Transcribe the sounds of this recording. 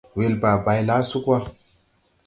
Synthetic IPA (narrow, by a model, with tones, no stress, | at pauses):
we˨lba˨ba˨jla˦su˦kwa˦